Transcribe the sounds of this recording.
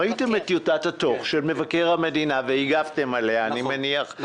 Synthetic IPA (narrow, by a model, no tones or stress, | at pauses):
aite̞met̪jotathato̞χʃelme̞vake̞ʁhame̞dinaveiɡafte̞maleaːnimeniaχ